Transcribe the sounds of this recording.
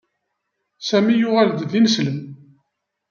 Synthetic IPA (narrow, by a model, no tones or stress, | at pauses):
sæmijʊʁæld̪ðinəsləm